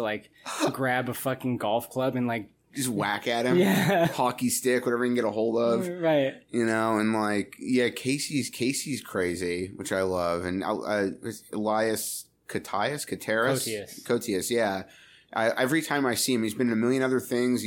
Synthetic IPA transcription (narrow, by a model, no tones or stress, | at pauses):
laɪk | ɡɹæbəfʌkɪ̃ŋɡɔlˠfkʰl̥ʌbɨ̃nlaɪk̚ʒ̥ʌst̚wækɨɾ̚ɨ̃mjæhɑkistɪkwʌɾɛvɹiĩn̩ɡɛɾəɦoʊlˠdʌv̥ɹaɪt̚jɨnoʊə̃nlaɪkjækʰeɪsiz̥kʰeɪsiz̥kʰɹ̥eɪziwɨt͡ʃaɪlʌvɨ̃n̰ɪʌɨɨlaɪɨs | kʰɨtʰaɪɨskʰɨtʰɛɹɨskʰoʊtʰiɨsjæ | ʔa̰ɪʔɛvɹitʰãɪ̃maɪsiɨ̃mizbɨ̃nɨmɪlˠjɨ̃nʌðə˞θɪ̃ŋz